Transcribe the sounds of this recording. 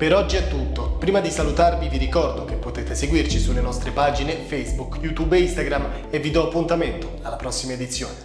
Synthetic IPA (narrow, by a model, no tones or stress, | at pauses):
peɾɔd͡ʒːiɛt̪ːut̪ːopɾiːmad̪isalut̪arviviɾikɔrd̪okepːot̪eːt̪eseɡwirt͡ʃisulːenɔst̪ɾepad͡ʒinefejzbukjut̪ubeist̪aɡɾam | evːid̪ɔapːunt̪ament̪o̥alːapɾɔsːimaed̪it̪sːjoːne